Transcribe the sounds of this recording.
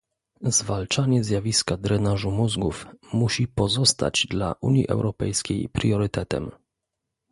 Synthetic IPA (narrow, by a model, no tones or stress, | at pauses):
zvalt͡ʂaɲɛzʲjavʲiskad̪ɾɛnaʐumuzɡufmuɕipɔzɔst̪a̰d͡ʑd̪la̰ʔuɲjḭʔɛ̰wɾɔpɛ̰jskʲejpɾjɔɾɘt̪ɛt̪ɛ̰m